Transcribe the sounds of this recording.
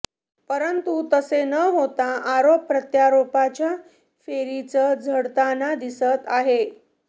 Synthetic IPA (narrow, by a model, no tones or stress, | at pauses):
pəɾənt̪ut̪əsenəɦot̪aaɾopːɾət̪jaɾopat͡ɕja | feɾit͡səd͡zʱəɽt̪anad̪isət̪aɦe